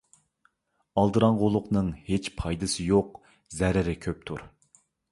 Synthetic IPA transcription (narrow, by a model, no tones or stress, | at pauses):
ɑlˠd̪ɨɾɑŋʁolˠʊqnɨŋhet͡ʃpʰɑjd̪ɨsɨjoq | zɛɾɪɾɪkʲʰøp̚t̪ʰuɾ